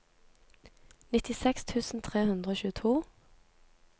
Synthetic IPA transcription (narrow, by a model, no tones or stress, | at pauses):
nɪt̪ɪsɛkst̪ʰʉːsn̩t̪ʰʁeːhʉnd̪ʁəoːçʉːət̪ʰuː